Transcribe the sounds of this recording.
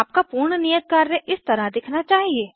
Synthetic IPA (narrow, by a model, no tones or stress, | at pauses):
aːp̚kapuːɾɳənijət̪̚kaːɾːeʔɪst̪ɐɾad̪ɪkʰnat͡ʃaːɦieː